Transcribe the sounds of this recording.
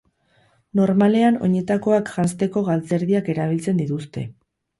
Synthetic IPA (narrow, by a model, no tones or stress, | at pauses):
no̞ɾmale̞ano̞̰ɲe̞t̪ako̞akʝast̪e̞ko̞ɣalt͡se̞ɾðiake̞ɾaβ̞ilt͡se̞nd̪it̪ust̪e̞̰